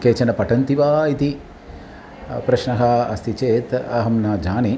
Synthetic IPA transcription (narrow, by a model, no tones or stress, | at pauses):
keːt͡ʃɐnɐpɐʈɐnt̪iʋaːit̪i | pɾɐʃnɐɦɐɐst̪ʰit͡ʃeːt̪ɐɦɐmnaːd͡ʒaːni